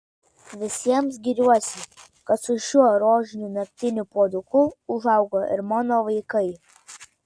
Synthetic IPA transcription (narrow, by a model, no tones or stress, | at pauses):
ʋʲɪsʲiɛmsɡʲiɾʲuɔsʲɪ | kɐt̪sʊʃʲuɔɾoːʒʲɪnʲuːnɐkʲt̪ʲɪnʲʊpuɔd̪ʊkʊʊʒɐˑʊɡoːɪ̰ɾmɑːnoːʋɐɪkɐɪ